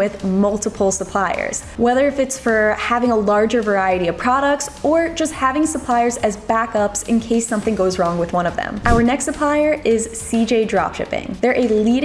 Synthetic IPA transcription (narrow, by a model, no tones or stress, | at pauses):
ɪðmʌlˠtəpʰl̩ˠsəpʰl̥aɪə̰˞z̥wɛðə˞ɨfɨtsfə˞hævɪ̃ŋəlɑɹd͡ʒə˞və˞aɪɨɾiʌv̥pʰɹ̥ɑɾək̚tsə˞d͡ʒʌst̚hævɪ̃ŋsəpʰl̥aɪə˞zɨzbækʌpsɨ̰̃nkʰeɪsʌ̃mθɪ̃ŋɡoʊzɹɔ̃ŋwɨðwʌ̃ñʌvðɨ̰̃mʔaʊə˞nɛkstsəpʰl̥aɪə˞ɪz̥sid͡ʒeɪdɹɑ̰pʃɪ̰pɪ̰̃ŋðə˞ʔɨliɾ